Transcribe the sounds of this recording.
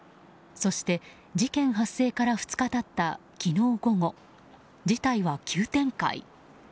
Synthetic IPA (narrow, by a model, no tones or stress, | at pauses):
so̞ɕi̥t̪e̞ | d͡ʑikẽ̞ɰ̃ɦasːe̞ːkaɾaɸɯ̟̥t͡sɨ̥kat̪at̪ːakʲino̞ːɡo̞ŋo̞ | d͡ʑit̪aiβakʲʰɨːt̪ẽ̞ŋka̰ḭ